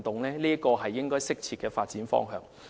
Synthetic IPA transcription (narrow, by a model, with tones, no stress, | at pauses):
nt̪ʊ˨˩ŋlɛː˥liː˥ɐ˥kɔː˧ɦɐ˨jːɪ˥ŋkɔː˥jsɪ˥k̚t͡sʰiː˧t̚kːɛː˧faː˧t̚t͡siː˨˥nfɔ̰ː˥ŋɦœ̰ː˨˧ŋ